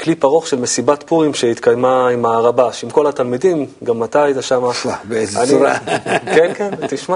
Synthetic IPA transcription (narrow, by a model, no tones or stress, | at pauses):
klipaʁo̞χʃe̞lmesibat̪puʁimʃeit̪kajmaimaʁabaʃimko̞lat̪almidimɡamːat̪ajt̪aʃamaʃabeeza̰nniuɾa̰kenkent̪iʃma